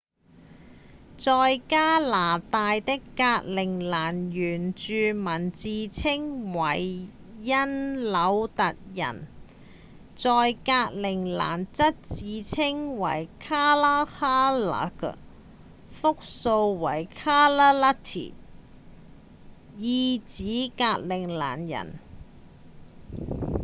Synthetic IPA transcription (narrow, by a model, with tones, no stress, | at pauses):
t͡sɔː˧jkaː˥laː˨˩t̪aː˨˧jt̪ɪ˥kːaː˧k̚lɪ˨˩ŋlaː˨˩njyː˨˩nt͡ʃyː˨˧mɐ˨˩nt͡siː˨t͡sʰɪ˥ŋwɐ˨˩j | jɐ˥nlɐ˨˧˥wt̪ɐ˨k̚jɐ̰˨˩n | t͡sɔː˧jkaː˧k̚lɪ˨˩ŋla̰ː˨˩nt͡sɐ˥t̚t͡siː˨˧t͡sʰɪ˥ŋwɐ̰˨˩jkʰaː˥laː˥haː˥lɐ̰˨˥k | fʊ˥k̚so˧wːɐ˨˩jkʰaː˥laː˥la˥t̪ʰḭ˨˩ | jiː˧t͡siː˨˥kaː˧t̚lɪ˨˩ŋla̰ː˨˩njɐ̰˨˩n